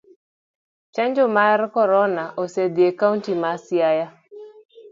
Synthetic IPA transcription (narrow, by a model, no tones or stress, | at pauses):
t͡ʃaɲd͡ʒɔmaɛrkɔɾɔnaʔosed̪iekauntimasjaja